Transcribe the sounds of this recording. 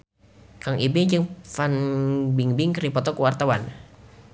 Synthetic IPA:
kaŋʔibɪŋd͡ʒɨŋfanbiŋbɪŋkripɔt̪ɔkuwart̪awan

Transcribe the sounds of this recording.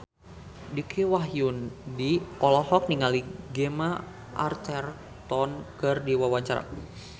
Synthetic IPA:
dikʰiwaɦjundiʔɔlɔhɔk̚niŋaliɡema | ʔa̰rt̪ɛr | t̪ɔnkɨrdiwawaɲt͡ʃaɾa̰

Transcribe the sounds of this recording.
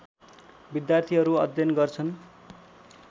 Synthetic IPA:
bid̪jart̪ʰiɦʌɾuʌd̪ʱjʌnɡʌrt͡sʰʌn

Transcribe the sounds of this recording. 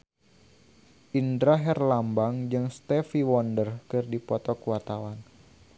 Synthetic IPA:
ʔindɾaɦɛrlambaŋd͡ʒɨŋst̪ɛfiwɔndərkɨrdipɔt̪ɔkuat̪awan

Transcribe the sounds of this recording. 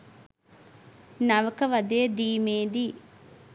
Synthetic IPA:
nɐʋɐkɐʋɐd̪eɐd̪iːmeːd̪i

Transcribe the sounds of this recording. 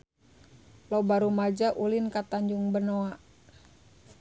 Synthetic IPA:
lobaɾumad͡ʒaʔulinkat̪aɲd͡ʒuŋbənoa

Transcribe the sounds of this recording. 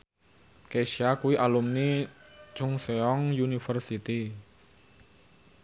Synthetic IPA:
keʃiakuwiʔalumnit͡ʃʊŋseɔŋjunifərsit̪i

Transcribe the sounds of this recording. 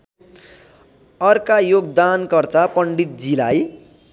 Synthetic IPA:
ʌrkajoɡd̪ankʌrt̪apʌɳɖit̪̚d͡zilaj

